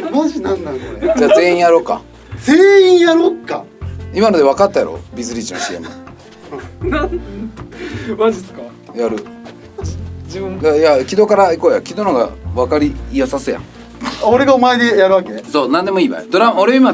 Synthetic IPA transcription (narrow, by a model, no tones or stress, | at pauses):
moɕinãnːãnkoned͡ʑaːze̞ːĩjaɾo̞ːka̰ | zeːĩɰjaɾokːa̰imano̞d̪e̞β̞akat̪ːaja̰ɾo̰bʲizɨɾʲit͡ɕino̰ɕiḛ̃mã̰ | mad͡ʑiska | jaɾɯ̟ | ĩdajakʲid̪o̞kaɾaiko̞ːja̰kʲid̪o̞noɡa̰βakaɾʲiːjasasɨjã̰ŋ | oɾe̞ɡaomaed̪ejaɾɯ̟βakesoːnãnd̪e̞mo̞iːba̰d̪oɾamoɾeima